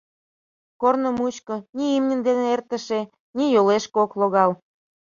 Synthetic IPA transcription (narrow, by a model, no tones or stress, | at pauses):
kornə̆mut͡ɕkɤ̆niimnʲə̆nd̪eneert̪ə̆ʃe | nijoleʃkokloɣɑl